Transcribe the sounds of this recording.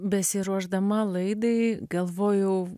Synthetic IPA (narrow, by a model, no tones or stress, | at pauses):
bʲɛsʲɪɾuɔʒd̪ɐmɐlˠɐɪd̪ɐɪɡɐlˠʋoːjɛʊ